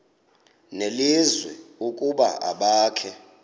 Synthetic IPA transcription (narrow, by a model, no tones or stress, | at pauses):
nelizwɛukʼuɓa̰ʔa̰ɓaːkʰɛ